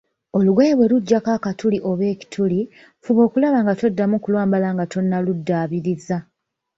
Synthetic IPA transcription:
o̞luɡweβwe̞luɟːakaːkatuliʔo̞βe̞ːci̥tʰuli | fuβo̞ːkulaβaːŋɡatodːamukulwaːmbalaŋɡatʰo̞nːaludːaːβiɾiza

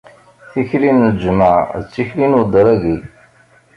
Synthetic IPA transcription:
θiçlind͡ʒmaʕðət͡sːiçlinud̪ˤəɾˤæɡi

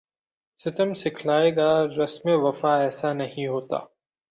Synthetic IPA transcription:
sɪt̪əmsɪkʰlaːeːɡaɾɐsmeʋɐfaɛːsanɐɦĩɦoːt̪a̰ː

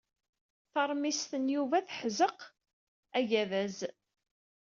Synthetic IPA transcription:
θɑɾˤmist̪ənjuvæθħzəq | æʝæðæz

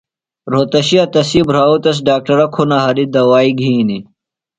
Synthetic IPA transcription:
ɾoːt̪ɐɕiɐt̪ɐsibɾaːut̪ɐs̬ɖaːk̚ʈɐɾɐkʰunɐɦɐɾid̪ɐwaːiɡʱiːni

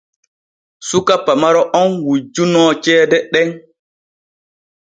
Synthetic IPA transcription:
sukapːamaɾɔʔɔnwud͡ʒunɔːt͡ʃɛːdɛɗɛŋ

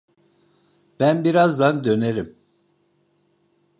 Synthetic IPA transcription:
b̥ænbiɾazd̪and̪ø̞neɾim

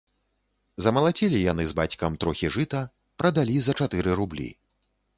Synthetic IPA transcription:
zɐmɐlˠat͡sʲɛlʲijanɨzbat͡sʲkɐmt̪ɾɔxʲiʐɨt̪ɐ | pɾɐd̪alʲizɐt͡ʂat̪ɨɾɨɾublʲḭ

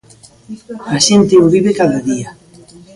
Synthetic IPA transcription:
aʃent̪eoβiβekaðaðia

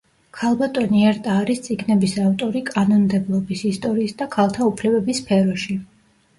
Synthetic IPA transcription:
kʰalˠbat̪ʼɔniɛɾt̪ʼaːɾist̪sʼiɡnɛbisaft̪ʼɔɾikʼanɔnmd̪ɛblˠɔbisist̪ʼɔɾiːsd̪akʰalˠt̪ʰaupʰlɛbɛbispʰɛɾɔʃi

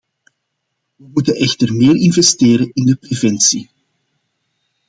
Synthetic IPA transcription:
ʋəmutənʔɛxtərmeːrɪnvɛsteːɾənɪndəprevɛntsi

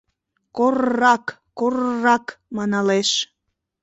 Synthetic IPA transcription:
korːɑkːorrɑkmɑnɑleʃ

